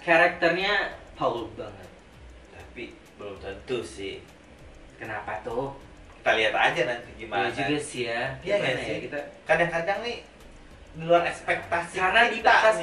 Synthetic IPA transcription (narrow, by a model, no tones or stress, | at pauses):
kaɾak̚t̪ərɲapaulʊkbaŋət̪̚ | t̪api | bəlʊmt̪ənt̪ʊsɪh | kənapat̪ʊh | ki̥t̪aliɦat̪a̰d͡ʒanant̪iɡimaad͡ʒuɡasiaaankit̪akadaŋkadaŋnɪ | miluaɾɛkspɛk̚t̪asikanadibasa